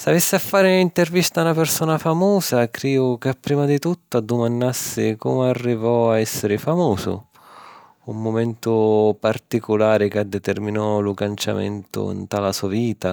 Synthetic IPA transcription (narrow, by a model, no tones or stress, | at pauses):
savesːɪafːaːɾɪnint̪ervist̪aunapɪrsɔːnafamɔːzakɾiːvʊkɪapːɾiːmad̪it̪ut̪ːʊad̪ːʊmanːasːɪkɔmarːivɔaɛsːɪɾɪfamuːsʊ̰ | umːʊmɛnt̪ʊpart̪ikʊlaːɾɪkad̪ːɛt̪ɛrminɔlʊkant͡ʃa̰mɛ̰nt̪ʊ̰ḭnt̪alasuaviːt̪a